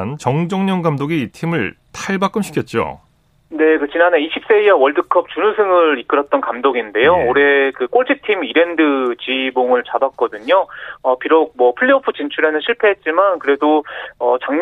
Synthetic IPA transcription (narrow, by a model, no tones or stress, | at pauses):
nt͡ɕʌŋd͡ʑʌŋɲʌŋɡamdoɡiːtʰimɯɭtʰaɭbak͈ɯmɕʰi̥kʰjʌt̚t͡ɕ͈o̰ | ne̞kɯt͡ɕinane̞iɕʰip̚s͈e̞iawʌɭdɯkʰʌp̚t͡ɕunusʰɯŋɯɾik͈ɯɾʌt̚t͈ʌnkamdoɡinde̞jooɾe̞kɯk͈oɭt͡ɕʰitʰimiɾe̞ndɯt͡ɕiboŋɯɭt͡ɕabat̚k͈ʌdɯɲoʌpiɾok̚mwʌpʰɯɭːiopʰɯt͡ɕint͡ɕʰuɾenɯnɕʰiɭpʰe̞ɦet̚t͡ɕ͈imankɯɾe̞doʌt͡ɕaŋɲ